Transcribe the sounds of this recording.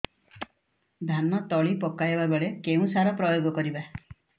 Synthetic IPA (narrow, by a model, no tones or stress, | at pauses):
d̪ʱanɔt̪ɔɭipɔkajebabɔɭekeũsaɾɔpɾɔjoɡɔkɔɾiba